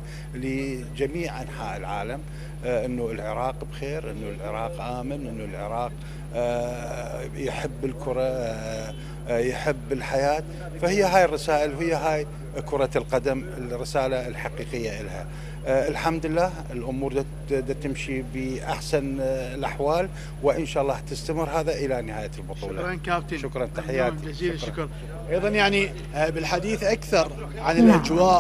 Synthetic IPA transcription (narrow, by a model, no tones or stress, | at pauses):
lːi | d͡ʒamiːʕʔanħa̰ːʔɪlʕaːlam | ʔənːulʕɪɾˤɑːqbxeːɾʔɪnːulʕɪ̰ɾˤɑːqʔaːmanʔɪnːulʕɪ̰ɾˤɑːq | jħɪbːɪlkʰʊɾˤɑ | jħɪbːɪlħajaːt̪ | fahɪjːaɦaːjɪrˤːɑsaːʔəlɦɪjːaɦaːj | kʊɾˤɑlqad̪amɪlrɪsaːlalħaqiːqəjːaʔɪlha̰ | ɪlħamd̪ɪlːaːhɪlʔʊmuːɾˤd̪ | d̪at̪ːɪmʃibəʔa̰ħsanlʔaħwaːl | wɪʔənʃaːʔɑlːɑːht̪ɪst̪amɪɾɦaːðaʔəlanɪhaːjalbʊt̪ˤuːlɑkaft̪ʃʊkɾˤɑnt̪aħɪjːaːt̪iɾ | ʔɑjðˤɑnjaʕni | bɪlħad̪iːθʔakθɑɾˤ | ʕanɪlʔad͡ʒwaːʔ